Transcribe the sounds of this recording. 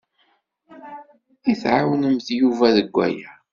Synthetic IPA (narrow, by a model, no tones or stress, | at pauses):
iθʕawnəmθjuvæðəɡʷːæ̰jæ